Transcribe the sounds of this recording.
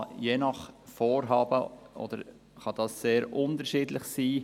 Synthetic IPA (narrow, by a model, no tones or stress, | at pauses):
jeːnɑχfoːɾɦɑːbəʔɔ̰d̥̪əɾ | χɑd̥ɑsːeːɾʔʊnt̪əɾʃiːdlɪχsiː